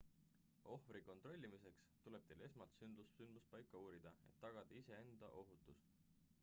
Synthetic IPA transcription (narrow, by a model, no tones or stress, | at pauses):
o̞hfɾiko̞nt̪ro̞lʲːimise̞kst̪ule̞b̥̚t̪ele̞smɑlt̪synd̪̥usynd̪̥must̪̚pɑjkːˑɑuːɾid̪̥ɑe̞̰t̪ːɑɡ̥ɑd̪̥ɑise̞e̞nd̪̥ɑ̰ʔo̞ɦut̪ːˑus